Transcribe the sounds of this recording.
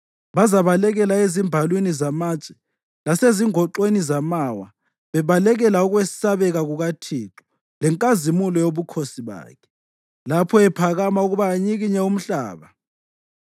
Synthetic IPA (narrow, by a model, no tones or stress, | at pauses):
βazaβalɛɣɛlaezimbʱalwinizamaːt͡ʃʼɛ̥ | laseziŋɔǃwenizamawa̰ | βɛβalɛɣɛlauɣwɛsaβɛɣaɣuɣatʰiǁu̥ | lɛŋkʼazimulɔjoβukʰosiβa̰ːkʰɛ̥ | lapʰɔɛpʰaɣamauɣuβaːɲiɣiɲɛum̩ɬa̰ːβa